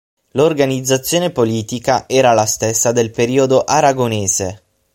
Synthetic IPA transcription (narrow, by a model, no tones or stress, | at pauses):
lorɡanid̪zːat̪sːjoːnepoliːt̪ikaʔɛːɾalast̪esːad̪elpeɾiːod̪oʔaɾaɡoneːze